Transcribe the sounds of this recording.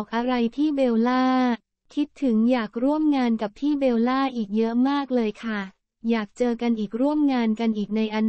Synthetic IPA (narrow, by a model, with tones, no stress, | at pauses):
k̚ʔa˧ɾa˧jt̪ʰiː˥˩beː˧wlaː˥˩ | kʰi˦˥t̪ʰːɯ˩˦ŋjaː˨˩k̚ɾu˥˩əmŋaː˧nka˨˩p̚t̪ʰiː˥˩beː˧wlaː˥˩ʔiː˨˩k̚jɤ˦˥ʔmaː˥˩k̚lɤː˧jkʰa˥˩ | jaː˨˩k̚t͡ɕɤː˧ka˧nʔiː˨˩k̚ɾu˥˩əmŋaː˧nka˧nʔiː˨˩k̚na˧jʔa˧n